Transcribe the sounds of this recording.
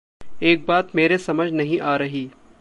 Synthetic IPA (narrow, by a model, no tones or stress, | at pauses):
eːk̚baːt̪meːɾesɐməd͡ʒʱnɐɦĩʔaːɾɐɦiː